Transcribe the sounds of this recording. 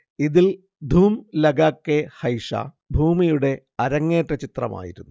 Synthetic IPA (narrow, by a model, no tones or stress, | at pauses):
iðil | d̪ʱuːmlɐɡaːkːehɐjʂa̰ː | bʱuːmijuɽe̞ | ɐɾɐŋːe̞ːʈːɐt͡ɕit̪rɐ̰ma̰ːjḭɾunːu